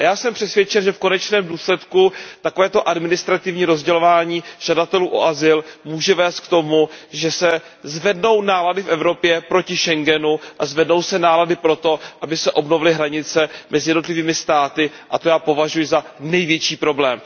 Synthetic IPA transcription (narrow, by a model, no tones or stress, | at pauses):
ajaːsɛmpr̥ɛsvjɛt͡ʃɛnʒɛfko̞nɛt͡ʃnɛːmduːslɛt̪kut̪akovɛːt̪oʔadmɪnɪst̪ɾat̪ɪvɲiːɾo̞zɟɛlo̞vaːɲiːʒ̥adat̪ɛluːʔo̰ʔazɪlmuːʒɛvɛːst̪̚k̚t̪o̞muʒɛsɛ | zvɛdno̞wnaːladɪfʔɛvɾo̞pjɛpɾo̞cɪʃɛŋɡɛnuʔazvɛdno̞wsɛnaːladɪpɾo̞t̪o̞ʔabɪsɛʔo̞bnovɪlɪɦɾaɲɪt͡sɛmʔɛzɪjɛdnot̪lɪviːmɪst̪aːt̪ɪ | ʔat̪o̞jaːpo̞vaʒujɪzanɛjvjɛt͡ʃiːpɾo̞blɛːm